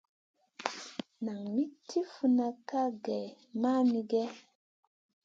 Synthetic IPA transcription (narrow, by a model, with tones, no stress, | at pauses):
na˨ŋmi˦tʰi˦fu˨na˧ka˦ɡɛ˨ | ma˦mi˦ɡɛ˦